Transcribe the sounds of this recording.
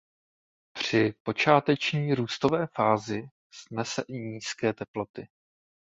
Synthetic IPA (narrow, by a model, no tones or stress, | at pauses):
pr̝̥ɪpo̞t͡ʃaːt̪ɛt͡ʃɲiːɾuːst̪o̞vɛːfaːzɪ | snɛsɛʔɪɲiːskɛːt̪ɛplo̞t̪ɪ